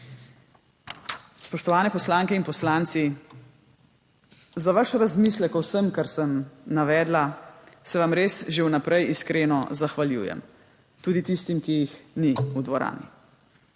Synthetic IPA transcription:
spɔʃt̪ɔʋaːnɛpɔslaːŋkɛinpɔslaːnt̪si | zaʋaʃɾazmiːslɛkɔwsəmkaɾsəmnaʋɛːd̪lasɛʋamɾesʒewnapɾɛjiskɾeːnɔzaxʋaljṵːjɛ̰m | t̪uːd̪it̪ist̪imkijixniud̪ʋɔɾa̰ːnḭ

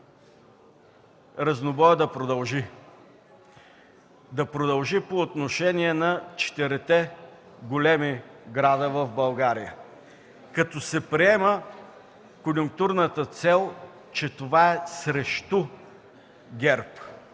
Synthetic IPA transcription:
ɾɐznobɔjəd̪ɐpɾod̪ɐlˠʒi | d̪ɐpɾod̪ɐlˠʒipoːt̪noʃɛniɛnɐt͡ʃɛ̥t̪ɛɾɛt̪ɛ | ɡolɛmiɡɾad̪əvɐvbɐlˠɡaɾijə | kɐt̪ɔsɛpɾiɛmə | konjʊŋk̚t̪uɾnət̪ət̪sɛlˠ | t͡ʃɛt̪ovaɛsɾɛʃt̪o | ɡʲɛɾp

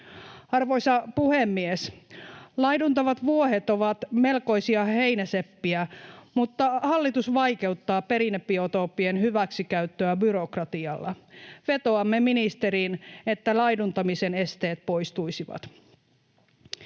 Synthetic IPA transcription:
ɑrʋoisɑpuhemːies | lɑjdunt̪ɑʋɑt̪ʋuoɦet̪oʋɑt̪me̞lko̞isiɑhe̞inæsepːiæmut̪ːɑhɑlːit̪usʋɑjke̞ut̪ːɑːpe̞ɾinepːiot̪o̞ːpːienhyʋæksikæyt̪ːøæbyɾokrɑt̪iɑlːɑʋe̞t̪oɑmːeminist̪eɾiːne̞t̪ːælɑidunt̪ɑmisene̞st̪e̞ːt̪̚po̞ist̪uisiʋɑ̰t̪

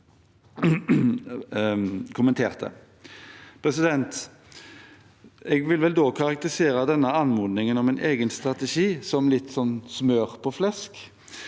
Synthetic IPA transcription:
kʰʊmənt̪ʰeːʁt̪ə̰ | pʰɾɛsɪd̪ɛnt̪ | ɛːɡʋɪlʋɛld̪oːkʰɑʁɑk̚t̪əɪseːɾəd̪ɛnːəɑnmuːd̪nɪŋənɔmɛnʔeːɡənst̪ʁɑt̪ɛʂiːsɔmlɪt̪ːsɔnsmøːʁpʰɔflɛsk

